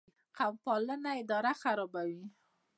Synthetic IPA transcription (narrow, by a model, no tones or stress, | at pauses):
qawpɑlənaɪd̪ɑɾaxaɾɔbawi